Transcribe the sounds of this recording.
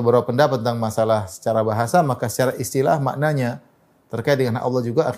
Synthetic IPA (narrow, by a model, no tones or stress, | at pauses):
bəɾawapːəndapat̪ənt̪aŋmasalahsə̥t͡ʃaɾabaɦasamakasə̥t͡ʃaɾaist̪ila̰hma̰ʔnaɲa | t̪ərkaɪt̪̚dəŋanʔa̰lːɑhd͡ʒuɡa